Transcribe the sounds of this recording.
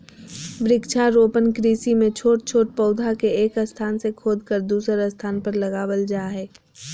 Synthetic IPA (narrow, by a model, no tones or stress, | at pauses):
ʋɾɪkt͡ʃʰaɾoːpənkɾiːsimẽt͡ʃʰoːʈ̚t͡ʃʰoːʈ̚pəʊd̪ʱakeeːkəst̪ʰaːnsekʰoːd̪kəɾd̪uːsəɾəst̪ʰaːnpəɾlɐɡaːwəld͡ʒaːɦɛː